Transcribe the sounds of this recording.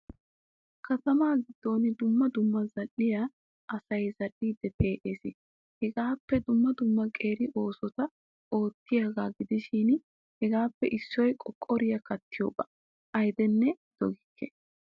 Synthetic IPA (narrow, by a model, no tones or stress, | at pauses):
kʰɐt̪ɐmaːɡɪd̪̥ːo̞ːnɪd̪ʊmːɐd̪ʊmːɐzɐlːɪja | ʔɐsɐjzɐlːiːd̪ːɛpe̞ːʔeːsɪ | hɛɡaːpːɛd̪ʊmːɐd̪ʊmːɐkʼe̞ːɾɪʔo̞ːsɔt̪ɐ | ʔo̞ːt̪ːɪjaɡaːɡɪd̪ɪʃɪn | hɛɡaːpːɛʔɪsːɔjkʼɔkʼːɔɾɪjɐkɐt̪ːɪjo̰ːbɐ̥ | ʔɐjd̪ɛnːɛd̪̥ɔɡɪkʰːɛ